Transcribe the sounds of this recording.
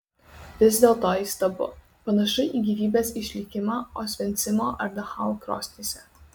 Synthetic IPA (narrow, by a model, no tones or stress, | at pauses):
ʋʲɪzʲd̪ʲeːlˠt̪oːiːˑst̪ɐbʊ̰ | pɐnɐʃɐɪʔiːɡʲiːʋʲiːbʲeːsɪʃʲlʲɪkʲɪmɑːoːsʲʋʲɛnʲt̪sʲɪmoːʔɐɾd̪ʲɐxɐlˠkɾo̰ːsʲt̪ʲisʲɛ